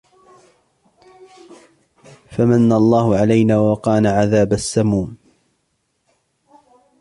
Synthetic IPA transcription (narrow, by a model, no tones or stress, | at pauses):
famanːaɑlˤːɑːhʊʕalajnaːwaqɑːnaːʕaðaːbasːamuːn